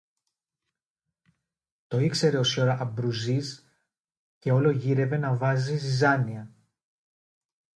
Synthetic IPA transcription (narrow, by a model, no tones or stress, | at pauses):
t̪o̞ikse̞ɾe̞o̞soɾɐʔɐbɾuzis | ce̞o̞lo̞ʝiɾe̞ve̞nɐvɐzizizɐniɐ